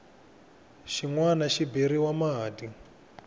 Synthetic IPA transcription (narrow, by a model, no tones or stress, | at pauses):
ʃiŋwanaʃibiɾiwamaɦaːdi